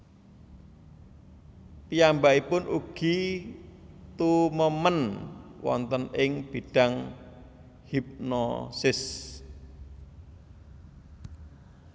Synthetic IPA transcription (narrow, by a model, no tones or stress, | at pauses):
t̪ijambaʔipʊnʔuɡ̥i̤ | t̪uməmənwɔ̰nt̪ənɪŋb̥i̤ɖ̥a̤ŋ | hip̚nɔ̰sɪs